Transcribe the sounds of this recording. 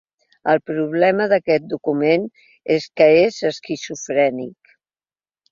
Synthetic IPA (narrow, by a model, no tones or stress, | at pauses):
əlˠpɾuβlɛməðəkɛt̪̚d̪ukumen | eskəezəskisufɾɛnḭk